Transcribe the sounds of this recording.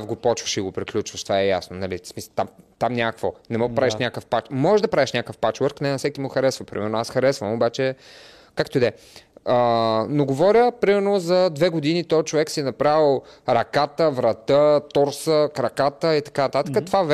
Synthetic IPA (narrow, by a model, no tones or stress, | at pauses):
vɡopɔt͡ʃvəʃiɡopɾiklʲut͡ʃvəʃt̪v̥aɛja̰snonɐlismist̪amt̪amnʲakvonɛmɔpɾaviʃnʲakəfpat͡ʃmɔʒɛʒd̪ɐpɾaviʃnʲakəfpat͡ʃvɛɾknɛnɐfsɛkimʊxɐɾɛsvəpɾimɛɾnoasxɐɾɛsvəmobat͡ʃɛ | kakt̪oid̪ɛ | ənoɡovɔɾʲəpɾimɛɾnozɐd̪vɛɡʊd̪init̪ɔt͡ʃovɛksiɛnɐpɾavilˠɾɐkat̪əvɾɐt̪ət̪ɔɾsəkɾɐkat̪əit̪ɐ̥kanɐt̪at̪əkət̪vav